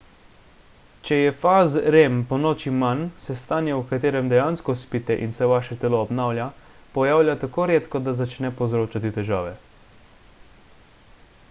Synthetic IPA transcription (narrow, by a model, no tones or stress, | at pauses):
t͡ʃɛjɛfaːzɾempɔnoːt͡ʃimansɛst̪aːnjawkat̪eːɾɛmd̪ɛjaːnskɔspiːt̪ɛʔinsɛʋaːʃɛt̪ɛlɔːbnaːwlʲja | pɔjaːwlʲjat̪akoːɾeːt̪kɔd̪azat͡ʃnɛpɔwzɾoːt͡ʃat̪it̪ɛʒaːʋɛ